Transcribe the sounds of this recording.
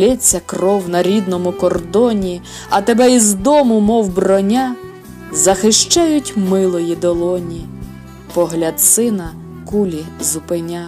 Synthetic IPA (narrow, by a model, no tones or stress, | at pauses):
lʲɛt͡sʲːɐkrɔwnɐɾʲid̪nɔmʊkɔrd̪ɔnʲi | ɐt̪ebɛizd̪ɔmʊmɔwbrɔnʲa | zɐxɪʃt͡ʃajʊtʲmɪlˠɔjid̪ɔlˠɔnʲi | pɔɦlʲɐd̪sɪnɐ | kulʲizʊpenʲa